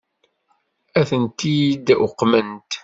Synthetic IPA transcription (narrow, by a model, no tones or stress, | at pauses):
æθənt̪ijid̪ʊqːmənt̪